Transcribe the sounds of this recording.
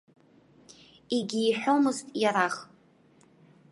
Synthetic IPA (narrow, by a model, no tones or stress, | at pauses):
iɡʲiːħʷᶣomɨztʼjaɾaχ